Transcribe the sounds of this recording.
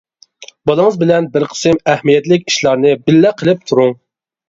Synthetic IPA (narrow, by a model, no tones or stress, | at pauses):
bɑlˠɨŋəzbɪlɛnbɪɾqʰə̥sɨmɛhmijɛt̪lɪkʲi̥ʃlˠɑɾnɨbɪlːɛqʰəlˠɪp̚t̪ʰuɾuŋ